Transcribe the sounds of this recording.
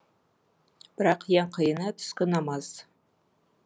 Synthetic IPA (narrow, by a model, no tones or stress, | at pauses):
b̥ɪɾɑqʰjaɴqʰəjənat̪ʰʏ̥skʲɪnamaz̥